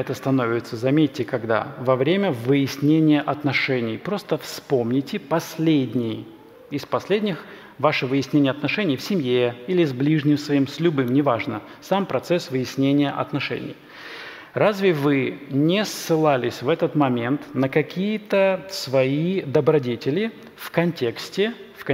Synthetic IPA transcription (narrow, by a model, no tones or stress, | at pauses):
ɛt̪əst̪ɐno̞vʲɪt̪səzɐmʲetʲːɪkɐɡd̪a̰vɐvɾʲemʲəvɨjɪsʲnʲenʲɪjəʔɐt̪nɐʂɛnʲɪjpɾo̞st̪əfspo̞mnʲɪtʲɪpɐsʲlʲedʲnʲɪj | ɪspɐsʲlʲedʲnʲɪx | vaʂɨvɨjɪsʲnʲenʲɪjəɐt̪nɐʂɛnʲɪjfsʲɪmjeilʲɪzblʲiʐnʲɪmsvɐimsʲlʲʊbɨmnʲɪvaʐnə | sampɾɐt̪sɛsvɨjɪsʲnʲenʲɪjəʔɐ̰t̪nɐʂɛ̰nʲɪ̰j | razʲvʲɪvɨnʲɪsːɨlˠalʲɪsʲvɛt̪ət̪mɐmʲe̞nt̪nəkɐkʲijət̪əsvɐid̪əbɾɐdʲetʲɪlʲɪ | fkɐnʲtʲe̞ksʲtʲɪfk